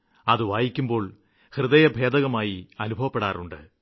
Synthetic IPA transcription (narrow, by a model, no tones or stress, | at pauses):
ɐðɨʋaːjikʲːumbo̞ːɭ | hrɨðɐjɐbʱe̞ːd̪ɐɣɐmaːjiɐnubʱɐʋɐpːe̞ɽa̰ːruɳɖɨ̰